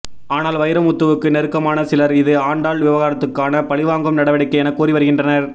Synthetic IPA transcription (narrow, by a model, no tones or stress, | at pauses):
aːnaːlʋɐjɪɾɐmʊt̪ːɐʋɯkːɯnɛɾɯkːɐmaːnɐsɪlɐɾɪðɯaːɳɖaːɭʋɪʋɐɣaːɾɐt̪ːɯkːaːnɐpɐɭɪʋaːŋɡɯmnɐɽɐʋɐɽɐɪkːɐɛnɐkːuːɾiʋɐɾɯɣɪndrɐnɐɾ